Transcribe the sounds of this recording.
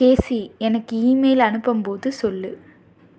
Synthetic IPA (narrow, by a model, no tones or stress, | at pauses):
keːsiɛnɐkːɯiːmeɪlɐnɯpːɐmpoːðɯsɔlːɯ